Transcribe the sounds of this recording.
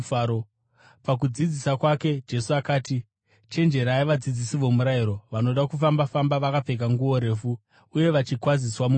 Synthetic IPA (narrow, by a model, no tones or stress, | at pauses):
aɾo | pak̬ud͡zid͡zisakwake̞d͡ʒe̞suakaːti | t͡ʃe̞nd͡ʒe̞ɾaːiʋad͡zid͡zisiʋo̞muɾaiɾo̞ʋano̞ɗakufambafambaʋakape̞k̬aŋɡuo̞ɾe̞ːfu | uje̞ʋat͡ʃikwaziswamu